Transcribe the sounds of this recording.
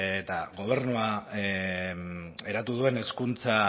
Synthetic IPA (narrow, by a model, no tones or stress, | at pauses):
t̪aɣo̞β̞e̞ɾnua | e̞ɾat̪uð̞ue̞ne̞skunt͡sa